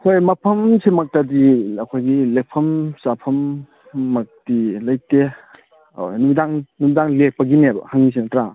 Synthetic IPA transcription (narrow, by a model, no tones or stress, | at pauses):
kʰojmɐpʰɐmsemak̚tadiɐkʰojɡilek̚pʰɐmsapʰɐmː | ak̚d̥ilaj̚te | numidaŋnumidaŋlek̚pɐɡinebɐ̰haŋnis̬enɐtɾa